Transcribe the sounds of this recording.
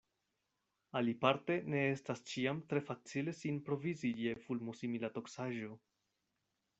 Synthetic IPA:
alipaɾte̞ne̞e̞stast͡ʃiamtɾe̞fat͡sile̞sinpɾo̞viziie̞fulmusimilato̞ksaʒo̞

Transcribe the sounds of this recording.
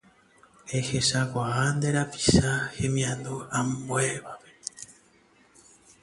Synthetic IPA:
eheʃakʷaand̪eɾapi̥ʃahẽ̞mĩãnd̪uambweβape

